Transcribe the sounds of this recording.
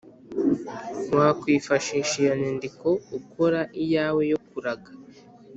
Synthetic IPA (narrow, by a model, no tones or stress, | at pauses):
waːkwiːfaʃiːʃijanindiko̞ukʰoɾaʔijaːwe̞jokuɾaɡḁ